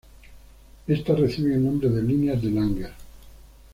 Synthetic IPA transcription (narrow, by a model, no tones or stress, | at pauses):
est̪areθiβeelnõmɾeðelineazðelaŋɡeɾ